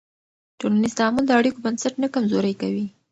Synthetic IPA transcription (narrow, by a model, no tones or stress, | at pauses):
ʈonanɪst̪aamʊld̪əaɽikobansaʈnakamzoɾəjkawi